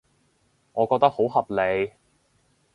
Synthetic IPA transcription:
ŋɔː˨˧kɔː˧k̚t̪ɐ˥k̚ho˨˥wɦɐ˨p̚le˨˧j

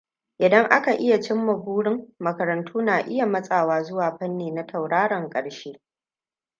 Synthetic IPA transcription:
ʔɪ˨dɐ˦ŋʔa˦ka˨ʔɪ˦ja˨t͡ʃɪ˦mːɐ˨buː˦ɽɪ˦ŋmɐ˨kɐ˨ɾɐ˨ntʰuː˦naː˨ʔɪ˦ja˨mɐ˦sʼaː˨waː˦zʊ˦waː˨ɸɐ˦nːeː˨na˦tʰɐ˨wɽaː˦ɽɐ˨ŋkʼɐ˨ɽʃeː˦

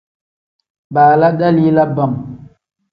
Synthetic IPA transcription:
ɓaː˨la˦ɗa˦li˦la˦ba˨m

